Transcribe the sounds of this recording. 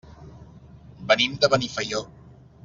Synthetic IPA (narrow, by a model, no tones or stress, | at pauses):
bənimd̪əβənifəjo